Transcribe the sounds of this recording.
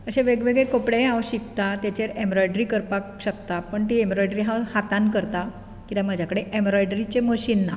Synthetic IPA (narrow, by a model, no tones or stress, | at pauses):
əɕẽʋeɡʋeɡɭekopɽeaʋɕikt̪at̪jat͡ɕeɾembɾɔjɖɾikəɾpakɕəkt̪apəɳt̪iembɾɔjɖɾiɦãhat̪ankəɾt̪a | kit̪aməd͡ʑʱjakəɽeʔemɾɔjɖɾit͡ɕeməɕinːa